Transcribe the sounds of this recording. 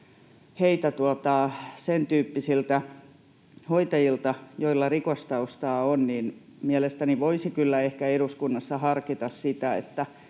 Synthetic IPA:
heit̪æt̪uot̪ɑsent̪yːpːisilt̪æ | hoit̪ɑjilt̪ɑjoilːɑrikost̪ɑust̪ɑːonniːn | miælest̪æniʋoisikylːæehkæeɾuskunːɑsːɑhɑrkit̪ɑssit̪æḛt̪ːæ

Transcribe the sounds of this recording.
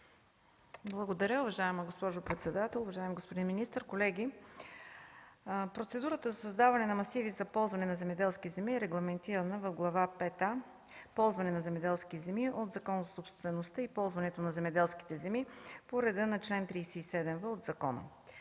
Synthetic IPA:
blˠɐɡod̪ɐɾʲəʊvɐʒaɛməɡospɔʒʊpɾɛt̪sɛd̪at̪ɛlˠʊvɐʒaɛmiɡospod̪inminist̪əɾkolɛɡʲi | pɾot̪sɛd̪uɾət̪əzɐsɐzd̪avɐnɛnɐmɐsivizɐpɔlˠzvɐnɛnɐzɛmɛd̪ɛlˠskʲizɛmiɛɾɛɡlˠɐmɛnt̪iɾənəvɐvɡlˠɐvapɛt̪a | pɔlˠzvɐnɛnɐzɛmɛd̪ɛlˠskʲizɛmiʔod̪zɐkɔnzɐsopst̪vɛnost̪əipɔlˠzvɐnɛt̪onɐzɛmɛd̪ɛlˠsk̟i̥t̪ɛzɛmipoɾɛd̪ənɐt͡ʃlɛnt̪ɾijsɛisɛd̪ɛmvəod̪zɐkɔnə̰

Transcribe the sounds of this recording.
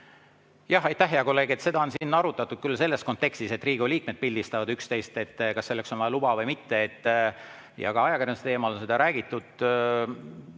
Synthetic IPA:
jɑɦɑjt̪ːˑæhɦeɑko̞lːe̞ːɡe̞t̪se̞d̪ɑo̞nsinːɑɾut̪ːˑɑt̪ːˑud̪̥̚kylːse̞lːe̞sko̞nt̪ːe̞kst̪iset̪ːriːɡuliːk̚me̞d̪̚pilʲd̪ist̪ɑvɑd̪ykst̪e̞jst̪e̞t̪ːkɑsːe̞lːeksonvɑjɑlub̥ɑvɤjmit̪ːe̞et̪ːˑ | jɑ̰ɡ̥ɑɑjɑkærjɑnset̪eːmɑlo̞nse̞d̪ɑɾæːɡ̥it̪ːˑud̪̥

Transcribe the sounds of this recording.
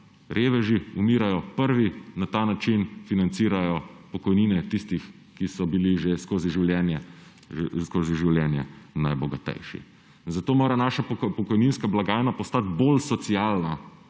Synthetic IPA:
ɾʔeːʋɛʒiumiːɾajɔpəɾʋinat̪aːnat͡ʃinfinant̪siːɾajɔpɔkɔjniːnɛt̪ist̪ix | kisɔbiliʒeskoːziʒiwljɛːnjɛ | skoːziʒiwljɛːnjɛ̰najbɔɡat̪ɛ̰jʃḭ | nzat̪oːmoːɾanaʃapɔkɔjninskablaɡaːnapɔst̪at̪bolsɔt̪siaːlna

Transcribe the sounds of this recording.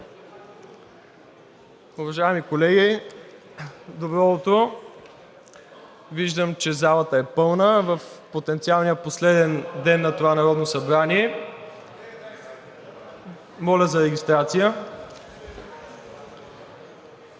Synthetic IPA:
ʊvɐʒaɛmikolɛɡʲi | d̪obɾɔt̪o | viʒd̪əmt͡ʃɛzalˠət̪əɛpɤlˠnəvɐfpot̪ɛnt̪sialˠnijəposlɛd̪ɛnd̪ɛnːɐt̪ovanɐɾɔd̪nosɐbɾaniɛ | mɔlʲəzɐɾɛɡʲist̪ɾat̪sijə

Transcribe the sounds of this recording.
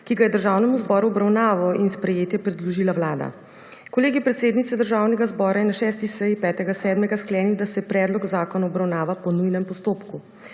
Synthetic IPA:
kiɡajɛd̪əɾʒaːwnɛmuzbɔɾuɔbɾawnaːʋɔinspɾɛjeːt̪jɛpɾɛd̪luʒiːlaʋlaːd̪a̰ | kɔleːɡipɾɛt̪seːd̪nit̪sɛd̪əɾʒaːwnɛɡazbɔːɾajɛnaʃɛːst̪isɛjipɛːt̪ɛɡasɛːd̪mɛɡasklɛːniwd̪asɛpɾɛːd̪lɔɡzaːkɔnaɔbɾawnaːʋapɔnujnɛmpɔst̪oːpku

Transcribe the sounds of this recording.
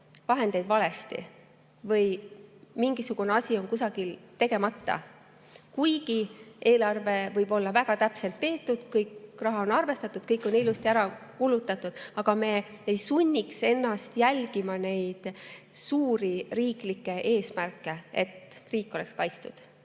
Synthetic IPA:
vɑɦe̞nd̪e̞jd̪̥vɑle̞st̪ḭ | vɤjmiŋɡ̥isuɡ̥uneɑsʲio̞nkusɑɡ̥ilt̪e̞ɡ̥e̞mɑt̪ˑːɑ̰ | kujɡ̥iʔe̞ːlɑrve̞vɤjb̥o̞lːɑvæɡ̥ɑt̪æpse̞lt̪̚pe̞ːt̪ːˑud̪̥kɤjkrɑɦɑo̞nɑrve̞st̪ɑt̪ːˑud̪̥̚kɤjkːˑo̞nilust̪iæɾɑkulut̪ːˑɑt̪ːˑud̪̥ɑɡ̥ɑme̞ː | ejsunʲːikse̞nːɑst̪jælʲɡ̥imɑne̞jd̪̥suːɾiriːklikːe̞ʔe̞ːsmærkːˑe̞et̪riːkːˑeo̞le̞kskɑjt̪st̪ud̪̥

